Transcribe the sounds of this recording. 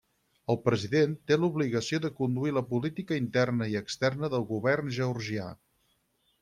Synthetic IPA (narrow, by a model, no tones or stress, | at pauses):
əlˠpɾəziðent̪eluβliɣəsioðəkund̪uiləpulit̪ikəint̪ɛrnəiəkst̪ɛrnəðəlˠɣuβɛrnʒəuɾʒia̰